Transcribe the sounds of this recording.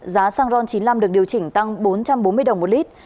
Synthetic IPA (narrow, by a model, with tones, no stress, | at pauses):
zaː˨˦saː˧ŋzɔ˧nt͡ɕi˨˦nla˧mɗɨ˨˩ək̚ɗi˨˩əwt͡ɕï˧˩ŋ̟t̪a˧ŋɓo˨˦nt͡ɕa˧mɓo˨˦nmɨ˧əjɗə˨˩wŋ͡mmo˨˩t̚li˦˥t̚